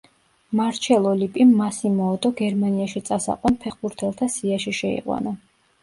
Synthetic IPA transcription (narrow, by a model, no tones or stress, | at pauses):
maɾt͡ʃʰɛlˠɔlipʼimːasimɔːd̪ɔɡɛɾmaniaʃit̪sʼasa̰qʼwɔnpʰɛχbuɾt̪ʰɛlˠt̪ʰasiaʃiʃɛḭqʼwa̰na